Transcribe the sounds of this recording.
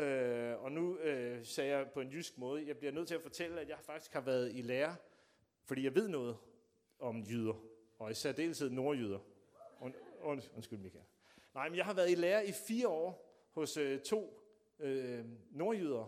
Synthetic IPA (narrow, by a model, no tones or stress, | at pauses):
øɒ̽nuøsɛːjɑ̈ɪpʰɒ̽e̝njysɡ̥mɔ̽ːð̞ˠəjɑ̈ɪb̥liɐnøð̰ˠt͡sʰe̝læfɒ̽t͡sʰel̰əæ̥jɑ̈ɪhɑ̈fɑ̈ɡ̥d̥i̥sɡ̥hɑ̈ʋæːɐð̩ˠileːɐ | fɒ̽d̥ḭːjɑ̈ɪʋe̝ð̞̰ˠnɔ̽ːð̞̩ˠ | ɒ̽mjyð̞ˠɐ | ɒ̽isæɐd̥e̝̰ːlsʰiðˠno̝ɐjyðˠɐ | ɔnɔnsɡ̥ylmikʰæl | nɑ̈ɪ̰menjɑ̈ɪhɑ̈ʋæɐðˠileːɐifiːɐɒ̰ː | hɔ̽søt͡sʰo̝̰ː | øno̝ːɐjyð̞ˠɐ